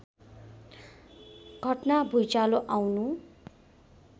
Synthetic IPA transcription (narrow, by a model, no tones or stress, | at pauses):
ɡ̥ʱʌʈnabʱujt͡saloʔawnu